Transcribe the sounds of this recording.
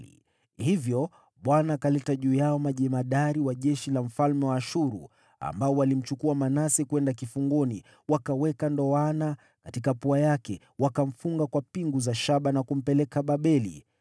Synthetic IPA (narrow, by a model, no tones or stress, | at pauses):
hivjɔ | ɓwanaːkalɛtaʄuːjaɔmaʄɛmaɗaɾiwaʄɛʃilam̩falmɛwaːʃuɾṵ | a̰mbaɔwalim̩t͡ʃukuamanasɛkwɛndakifuŋɡɔni | wakawɛkandɔana | katikapuajakɛ | wakam̩fuŋɡakwapiŋɡuzaʃaɓanakum̩pɛlɛkaɓaɓɛlḭ